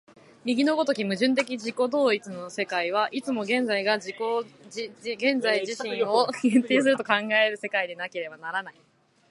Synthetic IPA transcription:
mʲiɡʲino̞ɡo̞t̪o̞kʲimɯ̟ʑɨ̃nt̪e̞kʲid͡ʑiko̞d̪o̞ːit͡sɨno̞se̞kaiβ̞aʔit͡sɨmo̞ɡẽ̞nd͡zaiɡad͡ʑiko | ɡẽ̞nd͡zaiʑiɕĩɰ̃o̞ɡẽnt̪eːs̬ɨɾɯ̟t̪o̞kãŋɡae̞ɾɯ̟se̞kaid̪enake̞ɾe̞banaɾanai

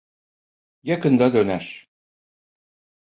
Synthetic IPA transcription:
jɑkɯ̆nd̪ɑd̪ønæʃ

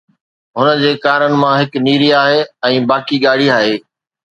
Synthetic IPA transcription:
ɦʊnəd͡ʑeːkaːɾənɪ̆mãɦɪkniːɾiaːɦeɛ̃ːbaːkiɠaːɽ̤iaːɦeː

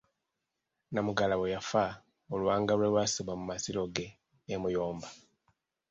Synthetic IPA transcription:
namuɡalaβejafa | olwaːŋɡalwelwasoβamumasilo̞ɡe̞ː | mujoːmba

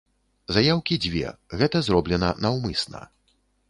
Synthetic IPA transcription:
zajawkʲid͡zʲvʲɛ̰ɣɛt̪ɐzɾɔblʲɛnɐnɐwmɨsnɐ̰

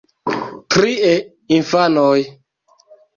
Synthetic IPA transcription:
tɾie | infanoj

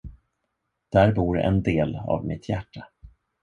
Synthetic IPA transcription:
d̪̥æɾbuːɾɛ̰nd̪eːlɑ̰vmɪt̪ʰjæʈːa

